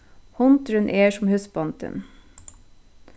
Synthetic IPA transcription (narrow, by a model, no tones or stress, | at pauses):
hɔnt̪ɾənʔeːʃɔmhʉsbɑnt̪ʰə̰n